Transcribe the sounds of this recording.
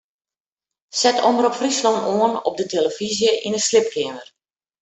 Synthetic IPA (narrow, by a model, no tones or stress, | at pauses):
sɛtʰɔməɾɔpfrisloːnoənɔ̰p̚dətʰeləfizjəʔinəslɪp̚kʰɪəmər